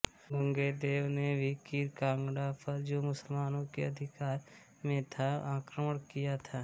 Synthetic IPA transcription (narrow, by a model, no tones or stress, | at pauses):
bə̃ŋɡeːd̪eːʋnebʱikiːɾkãːŋɡɽapʰɐɾd͡ʒoːmʊsəlmaːnõkeɐd̪ʱɪkaːɾ | mẽt̪ʰaãːkɾəməɽkijat̪ʰaː